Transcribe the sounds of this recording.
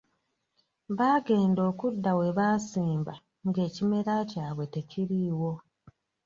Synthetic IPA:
βaːɡe̞ːndo̞ːkudːawe̞βaːsiːmba | ŋɡe̞ːcime̞ɾacaːβwe̞te̞ciɾiːwo̞

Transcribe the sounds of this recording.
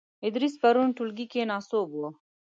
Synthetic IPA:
id̪ɾispɐɾunʈulɡikenaːsoːboː

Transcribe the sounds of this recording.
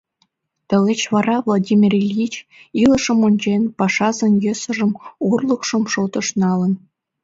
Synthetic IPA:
t̪ə̆let͡ɕβɑɾɑvlˠodʲimʲirelʲit͡ɕilə̆ʃə̆monʲd͡ʑenpɑʃɑzĕnjøsə̆ʒə̆morlˠəkʃə̆mʃot̪ə̆ʃnɑlə̆n

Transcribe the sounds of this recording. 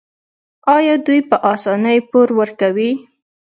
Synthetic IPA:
ɑjɑd̪ujpəʔɑsɑnəjpoɾwəɾkawi

